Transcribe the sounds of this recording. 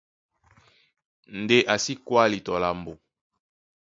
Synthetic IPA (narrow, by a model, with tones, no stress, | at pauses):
n˨de˦ʔa˨si˦kwa˦li˨tɔ˨la˨mbo˨